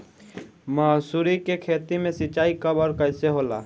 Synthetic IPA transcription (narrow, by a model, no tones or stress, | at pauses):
maːsuːɾikekʰeːt̪imẽsɪt͡ʃaːikɐbɔːɾkəɪseɦoːla̰ː